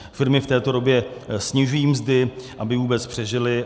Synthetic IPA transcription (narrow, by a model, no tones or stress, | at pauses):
fɪɾmɪft̪ɛːt̪o̞ɾo̞bjɛsɲɪʒujiːmzdɪʔabɪvuːbɛt͡spr̝̥ɛʒɪlɪ